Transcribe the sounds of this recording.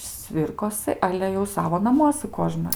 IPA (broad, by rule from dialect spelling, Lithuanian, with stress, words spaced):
ˈsʲʋʲɪrkoːsɨ ˈɑːlʲɛ jɛʊ ˈsɑːʋoː ˈnɑːmuɔsɨ ˈkoːʒnɐs